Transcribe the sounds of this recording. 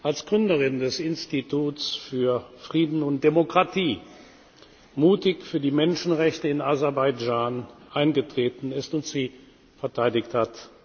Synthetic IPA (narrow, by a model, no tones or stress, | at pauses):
ʔalsɡ̥ʁʏndəʁɪndɛsɪnstitʰuːt͡sfyːɐfʁ̥iːdn̩ʊnt̚d̥emokʁ̥atiː | muːtɪçfyːɐdiːmɛnʃn̩ʁɛçtəɪnazɛɐbaɪd͡ʒaːnʔaɪnɡətʁ̥eːtn̩ɪstʊntz̥iː | fɛɐtʰaɪdɪçthat